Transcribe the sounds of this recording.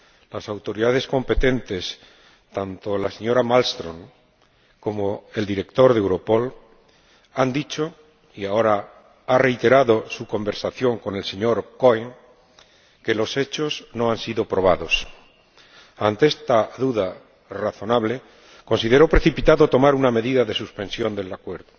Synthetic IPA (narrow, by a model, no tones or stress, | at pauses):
lasawt̪o̞ɾiðað̞e̞sko̞mpe̞t̪e̞nt̪e̞s | t̪ant̪o̞lase̞ɲo̞ɾamalst̪ɾo̞ŋ | ko̞moe̞ld̪iɾe̞kt̪o̞ɾðewɾo̞po̞l | and̪it͡ʃo̞ | iao̞ɾa | are̞jt̪e̞ɾaðo̞suko̞mbe̞ɾsaθjo̞ŋko̞ne̞lse̞ɲo̞ɾko̞eŋ | ke̞lo̞se̞t͡ʃo̞zno̞ansiðo̞pɾo̞β̞aðo̞s | ant̪eest̪aðuða | raθo̞naβle̞ | ko̞nsiðe̞ɾo̞pɾe̞θipit̪aðo̞t̪o̞maɾuname̞ðiðaðe̞suspe̞nsjo̞nd̪e̞lakwe̞ɾðo